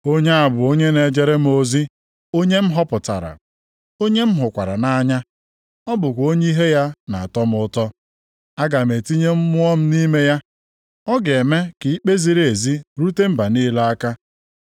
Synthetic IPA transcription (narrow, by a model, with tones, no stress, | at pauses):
o˦ɲe˦a˨bʊ˨o˦ɲe˦ne˨d͡ʒe˨ɾe˦m̩˦o˨zi˦ | o˦ɲe˦m̩˦ɦɔ˦pʊ˨ta̰˨ɾa̰˨ | o˦ɲe˦m̩˦ɦʊ˨kʷa̰˨ɾa˨na˦ɲa˦ | ɔ˦bʊ˨kʷo˦ɲe˦i˦ɦe˦ja˦na̰˨a˨tɔ˦m̩˦ʊ˦tɔ˦ | a˦ɡa˨m̩˨e˨ti˦ɲe˦m̩˦mʊ˦ɔ˦m̩˦ni˦me˦ja˦ | ɔ˦ɡe˨me˦ki˨i˦k͡pe˦zi˨ɾe˦˨e˨zi˦ɾu˦te˦m̩˦ba˨niː˦la˦a˦ka˦